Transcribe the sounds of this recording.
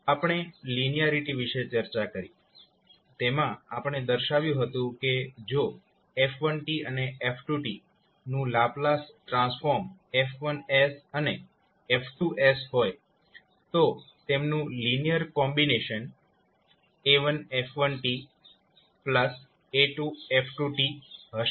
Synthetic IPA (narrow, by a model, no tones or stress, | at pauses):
apəɳ̃elinijaɾiʈiʋiʃet͡ʃəɾt͡ʃakəɾi | t̪emãapəɳ̃ed̪əɾʃaʋjũɦət̪ũked͡ʒo | efʰʋənʈiəneʔefʰʈuʈi | nũlaplasʈɾãsfoɾmefʰʋənesəne | efʰʈuʔesɦoj | t̪o | t̪emnũlinijəɾkɔmbineʃən | eʋənefʰʋənʈi | pləs | eʈuefʰʈuʈiɦəʃ